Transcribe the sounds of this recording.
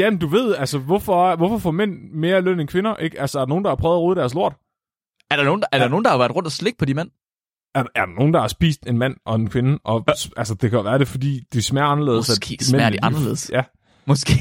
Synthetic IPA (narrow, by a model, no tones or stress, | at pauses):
jæmend̥uʋe̝ð̰ˠælsəʋɒfɒ̽ʋɒfɒfɒmen̰me̝ːɐløn̰enkʰʋe̝nɐʔeɡ̥ælsəɐæɐdɑnoːn̩d̥ɑhɑ̈pʰʁœːʊð̩ˠʁoːð̩ˠd̥æɐslo̝ɐ̰d̥ | æɐɾ̥ɑ̈no̝ːn̩æɐd̥ɑ̈no̝ːnd̥ɑhaʋæɐd̥ʁɔ̽nd̥ɐsleɡ̥̚pʰɒ̽d̥imen̰ | æɐæɐɾ̥ɑno̝ːn̩d̥ɑ̈hɑ̈sb̥ḭːsd̥e̝nmæn̰ʔɒ̽e̝nkʰʋe̝nəʔɒ̽sælsəd̥e̝kʰæʋæːɐɾ̥e̝fɒ̽d̥ḭːd̥ismæɐɑ̈nɐle̝̰ːð̩ˠsæ̥eiɑnɐḛːð̩ˠsjæ | mɔsɡ̥e